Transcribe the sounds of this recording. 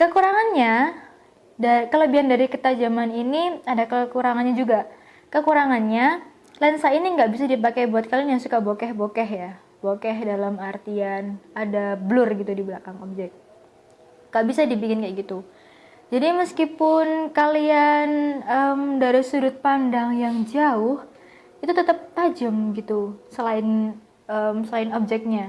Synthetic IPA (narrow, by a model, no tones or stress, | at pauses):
kəkuɾaŋanɲa | dakələbiandaɾikət̪ad͡ʒamaniniadakəkuɾaŋanɲad͡ʒuɡa | kəkuɾaŋanɲa | lansainiŋɡaʔbis̬adipakajbuat̪̚kalianjaŋsukabokɛhbokɛɦja | bokɛɦdalamart̪ianadabəlʊrɡit̪udiblakaŋop̚d͡ʒɛk̚t̪̚ | ŋɡ̥aʔbisadibikɪnkajaɡit̪u | d͡ʒadiməskipʊnkalianəmdaɾisuɾʊt̪̚pandaŋjaŋd͡ʒaʊh | it̪ut̪ət̪əp̚tad͡ʒəmɡit̪usəlaɪn | əmsəlaɪnob̚d͡ʒɛk̚ɲa